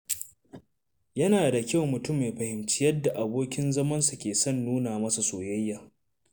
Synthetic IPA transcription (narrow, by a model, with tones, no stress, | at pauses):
jɐ˦naː˨da˨kʲa˦˨wmʊ˨tʊ˦mːeː˨ɸɐ˨hɪ˨mt͡ʃɪ˦jɐ˦da˨ʔa˨boː˦kʲɪ˦nzɐ˦mɐ˦nsu˨kʲeː˨sɐ˦˨nːuː˦naː˨mɐ˦sa˨soː˨jɐ˦jːaː˨